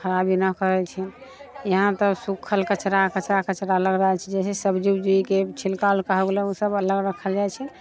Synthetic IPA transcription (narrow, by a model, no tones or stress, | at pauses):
xəɾabinəkəɾɛt͡ʃʰɛ | jəɦãt̪ɔsukʰəlkət͡ʃɾakət͡ʃɾakət͡ʃɾaələɡɾəɦɛt͡ʃʰɛd͡ʒɛsesəbd͡ʒuwd͡ʒuiket͡ʃʰilkalkəɦəɡleũsəbələɡɾəkʰəld͡ʒajt͡ʃʰɛ